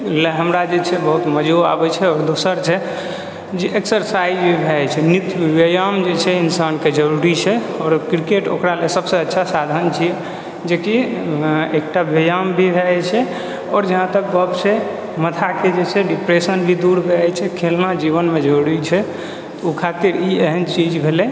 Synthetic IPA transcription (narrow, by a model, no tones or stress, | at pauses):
leɦəmɾad͡ʒet͡ʃʰɛbəɦut̪məd͡ʒoa̰bɛt͡ʃʰɛɔːɾd̪osəɾt͡ʃʰɛ | d͡ʒeeksəɾsaid͡ʒbʱibʱɛt͡ʃʰɛnit̪bjəjamd͡ʒet͡ʃʰɛinsanked͡ʒəɾuɾit͡ʃʰɛɔːɾkɾikeʈo̰kɾalesəbseətːʃʰasad̪ʱənt͡ʃʰiɛ | d͡ʒeki | ek̚ʈabjəjambʱibʱɛt͡ʃʰɛ | ɔːɾd͡ʒəɦãt̪ək̚ɡɔbse | mət̪ʰaked͡ʒet͡ʃʰɛɖipɾesənbʱid̪uɾbʱɛt͡ʃʰɛkʰelnad͡ʒiβənmed͡ʒoɽit͡ʃʰɛ | ukʰat̪iɾieɦənt͡ʃid͡ʒbʱelɛ